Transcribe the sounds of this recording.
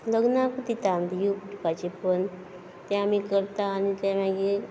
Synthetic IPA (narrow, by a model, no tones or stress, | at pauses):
ləɡnakut̪it̪and̪ijukuʈʰpat͡ɕepən | t̪ɛ̃amikəɾt̪aːnit̪ãmãɡe